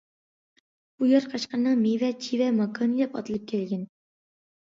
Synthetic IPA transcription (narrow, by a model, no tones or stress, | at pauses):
b̥ujɑɾqʰɑʃqɑnːɑŋmivɛt͡ʃʰivɛmɑkʰonid̪ɛpɑ̰t̪ɨlˠɨp̚kʲʰɛlɡʲɛn